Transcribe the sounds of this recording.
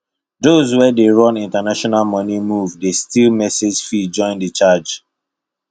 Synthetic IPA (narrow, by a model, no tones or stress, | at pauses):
dozwɛdeɹɔ̃nĩntanaʃɔnalmɔnimuvdestilmɛsed͡ʒfid͡ʒɔ̃ɪ̃ndət͡ʃad͡ʒ